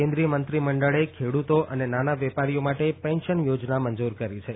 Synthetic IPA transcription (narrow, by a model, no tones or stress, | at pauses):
ẽnd̪ɾijəmənt̪ɾiməɳɖəɭekʰeɽut̪oʔənenanaʋɛpaɾijomaʈepɛ̃nʃənjod͡ʒnaməɲd͡ʒuɾkəɾit͡ʃʰe